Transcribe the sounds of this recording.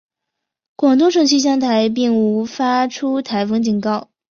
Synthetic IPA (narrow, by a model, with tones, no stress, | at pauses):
kwɑ˨˩ŋt̪̬o˥ʈ͡ʂʰɤ˥˧ŋt͡ɕʰi˥ɕ̬jɑ˥ŋt̪ʰa˧˥ɪp̬i˥˩ŋu˧˥fa˥ʈ͡ʂʰu˥t̪ʰa˧˥ɪfɤ˥ŋt͡ɕi˨˩nkɑ˥˩ʊ